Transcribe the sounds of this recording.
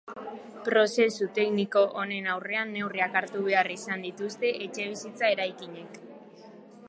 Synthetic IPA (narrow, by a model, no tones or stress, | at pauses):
pɾo̞se̞sut̪e̞kniko̞ʔone̞nawre̞anːe̞wriakaɾt̪uβe̞arisand̪it̪ust̪e̞ʔet͡ʃe̞β̞isit͡sae̞ɾajkiɲe̞k